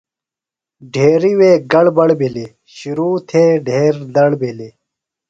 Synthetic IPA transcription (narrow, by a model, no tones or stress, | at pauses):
ɖʱeːɾiweːɡɐɽbɐɽbili | ɕuɾuːt̪ʰeːɖʱeːɾd̪ɐɽbili